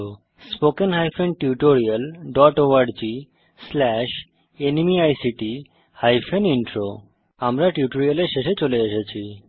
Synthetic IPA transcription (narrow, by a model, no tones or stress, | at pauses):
spokenɦajfenʈuʈoɾialɖɔʈoaɖd͡ʑi | slɛʃ | enimiajsiʈi | hajfʰeniɳʈɾo | amɾaʈiuʈoɾialeɾʃeʃet͡ɕoleeʃet͡ɕʰi